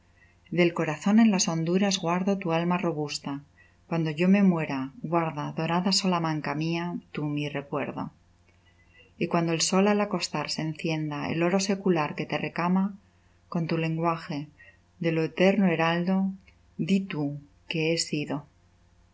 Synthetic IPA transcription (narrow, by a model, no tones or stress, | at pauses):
d̪e̞lko̞ɾaθo̞nẽ̞nlaso̞nd̪uɾazɣwaɾðo̞t̪ualmaro̞β̞ust̪a | kwand̪o̞ʝo̞me̞mwe̞ɾaɣwaɾðaðo̞ɾaðaso̞lamãŋkamiat̪umire̞kwe̞ɾðo̰ | ikwand̪o̞e̞lso̞lalako̞st̪aɾse̞n̟θje̞nd̪aḛlo̞ɾo̞se̞kulaɾke̞t̪e̞re̞kama | ko̞nt̪ule̞ŋɡwaxe̞ | ðe̞lo̞et̪e̞ɾnoe̞ɾald̪o̞ | d̪it̪u | ke̞esiðo̞